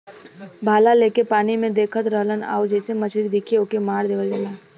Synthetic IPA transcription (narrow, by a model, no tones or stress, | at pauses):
bʱaːlaleːkepaːnimẽd̪eːkʰət̪ɾəɦləna̰ːod͡ʒɛːsemɐt͡ʃʰɾid̪ɪkʰeoːkemaːɾd̪eːʋəld͡ʒəlaː